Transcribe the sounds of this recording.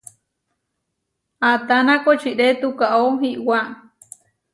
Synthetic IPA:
at̪anakot͡ʃiʔɾet̪ukaʔoɦiʔwaʔ

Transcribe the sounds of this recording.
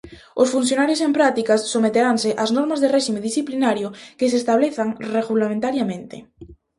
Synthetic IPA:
ʊsfun̟θjonaɾjos̬empɾat̪ikassomet̪eɾanseʔaznɔɾmazðereʃimeðisθiplinaɾjokes̬eːst̪aβleθaŋreɣulamẽnt̪aɾjamẽnt̪ḛ

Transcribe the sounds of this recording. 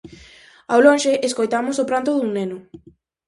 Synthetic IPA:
awlõŋʃeʔeskojt̪amʊsʊpɾant̪ʊðuŋnenʊ

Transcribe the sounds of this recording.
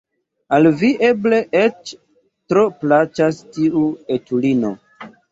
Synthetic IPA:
alviʔe̞ble̞ʔet͡ʃ | tɾoplat͡ʃastiuetulino̰

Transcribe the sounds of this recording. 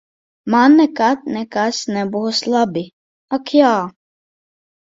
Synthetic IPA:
maːnːɛkat̪̚nɛkasnɛbʊɦʊslabi | ɐkʰijaː

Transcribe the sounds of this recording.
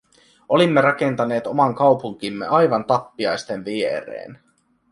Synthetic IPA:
ʔo̞limːeɾɑke̞nt̪ɑne̞ːt̪o̞mɑŋkɑwpuŋk̟imːḛɑjʋɑnt̪ɑpːiɑjst̪enʋieɾḛːn

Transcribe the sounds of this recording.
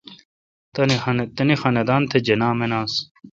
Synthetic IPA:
t̪ɐnnt̪ɐnixɐnɐd̪aːnt̪ʰed͡ʑenaːmenaːs

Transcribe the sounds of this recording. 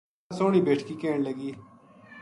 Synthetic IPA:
soːɽ̃iːbeːʈʰkiːkeːɳləɡiː

